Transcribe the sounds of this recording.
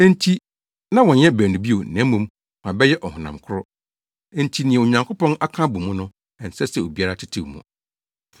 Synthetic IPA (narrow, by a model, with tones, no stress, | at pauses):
ẽ˦n˦tʰi˦ | nã˦wɔ̃˨jɛ˦bæː˨nũ˨bi˦o˨nɛ̃˦mːũ˦m | mã˨bɛ˦jɛ˦ʔɔ˨hʊ̃˨nã̰˨mkʰʊ˦ɾɔ˦ | e˦n̩˦tʰi˦nɪ̃˨ɛ̃˨o˨ɲã˨ŋkʰo˦pʰɔ̃˦na˦kʰã˦bu˨mũ˦nʊ̃˦ | ɛ˨n̩˨sɛ˦sɛ˨o˨bi˦a˦ɾa˦tʰɪ˦tʰi˨wmṵ̃˨